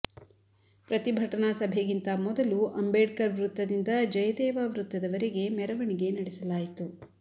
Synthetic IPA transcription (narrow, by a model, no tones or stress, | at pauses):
pɾɐt̪ibʱɐʈɐnasɐbʱeɡint̪ɐmɔd̪ɐluɐmbeːɖkɐɾʋɾut̪ːɐd̪ind̪ɐd͡ʒɐjɐd̪ɛːʋaʋɾut̪ːɐd̪ɐʋɐɾeɡe̞mɛɾɐʋɐɳiɡe̞nɐɽisɐlaːjit̪u